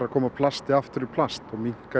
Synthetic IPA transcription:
ɾaðkʰɔːmapʰlast̪ɪaft̪ʏɾʏpʰlast̪̚pʰɔwmiŋ̥ka

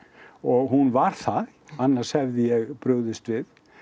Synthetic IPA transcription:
ɔɣɦunvaɾ̥θa | anːḁshɛvðɪjɛɣpɾʏɣðɪst̪vɪð

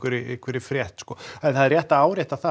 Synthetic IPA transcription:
kʏɾɪʔḛhkvɪɾɪfɾjɛht̪skɔːɛðθaðɪɾrjɛht̪aaːwɾjɛht̪aθa

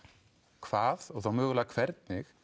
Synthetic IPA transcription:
kʰv̥aːðɔwθawmʏːɣʏlakʰvɛɾt̪̚nɪx

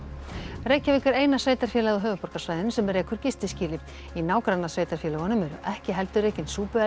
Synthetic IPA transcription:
reːjcaviːkʏɾeːjnasveːjt̪aɾ̥fjɛːlɛɣɔɦœːvʏpɔr̥kasvaːjðɪnsɛmɛɾejkʰʏɾ̥cɪst̪ɪsciːlɪ | inaːwkɾanasveːjt̪aɾ̥fjɛːlaɣɔnʏmɛɾʏ̰ʔɛhcɪɦɛlt̪ʏreːjcɪnsuːpʏa

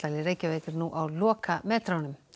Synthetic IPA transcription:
alɪɾejcavejkɪɾnuʔawlɔːkʰamɛːt̪ɾawnʏm

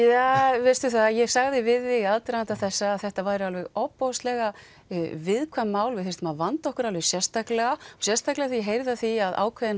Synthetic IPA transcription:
javɪr̥st̪ʏθaðjɛɣsaɣðɪvɪðːɪaðt̪ɾant̪aθɛsːaːðθɛht̪avajɾʏalvɛɣɔpːowst̪lɛɣa | vɪðkʰvamːaːwlvɪðθejst̪maðvant̪ɔhkʏɾalvɛɣsjɛst̪aklɛɣaɔsjɛst̪aklɛɣaθiɦejɾðaθiaðʔa̰ːwkʰvɛðɪn

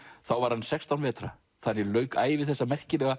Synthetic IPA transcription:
θawvaɾ̥hansɛkst̪awnvɛːt̪ɾa̰ | θanːɪlœːɥkaːjɪvɪðθɛsːamɛr̥cɪnɛɣa

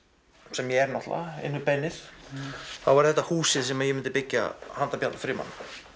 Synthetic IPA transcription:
sɛmjɛɛɾnɔht̪la̰ɪ̰nːʏpɛnːɪɾ̥ | θawvaɾθɛht̪ːahuːsɪðsɛmajɛmɪnt̪ɪpɪcːa̰hant̪apjant̪ḁfɾɪːma̰nːa

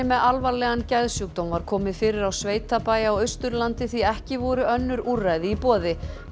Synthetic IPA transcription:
ɪmɛðalvalɛɣancɛðsjuk̚t̪ɔwnvaɾ̥kʰɔːmɪðfɪːɾɪɾawsveːjt̪apaːjaɔwœst̪ʏɾlant̪ɪθiɛhcɪvɔɾʏœnːʏɾurːajðɪipɔːðɪ

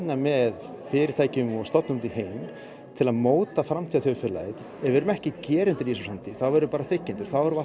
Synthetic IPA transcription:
nːamɛð | fɪːɾɪ̥t̪ʰaːjcɪmɔɣst̪ɔt̪nʏmt̪iɦejm | t̪ʰɪlaðmoːwt̪afɾamt̪ʰiaθœfɪɾla̰jt̪ | ɛvɛɾʏmɛhcɪcɛːɾɪnt̪ɪɾisusant̪ɪθawvɛɾʏpaːɾaθɪcːɪnt̪ʏɾ̥θawɛɾʏva

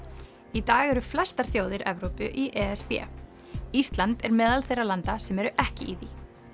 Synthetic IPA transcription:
it̪aːɣɛɾʏflɛst̪aɾ̥θjoːwðɪɾʔɛvɾowpʏʔiʔɛɛspjɛ̰ | ist̪lant̪ɛɾmɛːðalθejralant̪asɛmɛɾʏʔɛhcɪiði

